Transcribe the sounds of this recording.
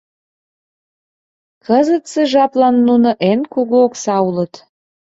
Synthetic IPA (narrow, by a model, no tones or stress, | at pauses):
kəzət̪seʒɑplɑnːunoʔenkuɣooksɑulət̪